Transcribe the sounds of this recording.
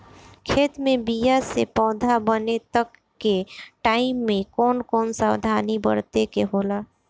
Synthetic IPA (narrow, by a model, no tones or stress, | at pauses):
kʰeːt̪mẽbijasḛpɔːd̪ʱabənet̪əkː | eʈaːɪmːẽkɔːnkɔːnsaːwd̪ʱaːnibəɾt̪ekeɦoːlaː